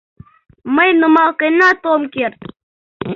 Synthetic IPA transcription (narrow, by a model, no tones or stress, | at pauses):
mɐjnumaːqenaːt̪oːmkeɾt̪